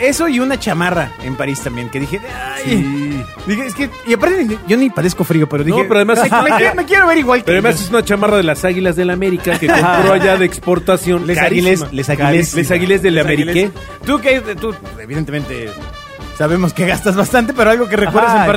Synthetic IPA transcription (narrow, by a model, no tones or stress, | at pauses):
e̞so̞iunat͡ʃamaraempaɾist̪ambje̞ŋke̞ðixeasj | d̪ixeeske | iapaɾt̪enniʝo̞nipaðesko̞fɾio̞peɾoðinoeeɾoaðemasmmekje̞ɾoβeɾiɣwaleɾaðemases̬unat͡ʃamaraðe̞lasaɣilazðe̞lameɾikakekop̪ɾoaʝaðeːkspo̞ɾt̪asjo̞nkaasslesaɣieslesaɣilezðelameɾike | t̪uk̬eajt̪u | eβiðent̪ement̪ḛ | saβe̞mo̞skeɣast̪azβast̪ant̪e̞peɾoalɣo̞k̬erekwe̞ɾðasempaɾ